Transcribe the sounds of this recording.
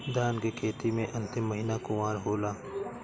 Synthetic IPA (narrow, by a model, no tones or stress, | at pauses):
d̪aːnkekʰeːt̪imẽʔɐ̃nt̪emːɐɦiːnakʊmaːɾɦoːlaː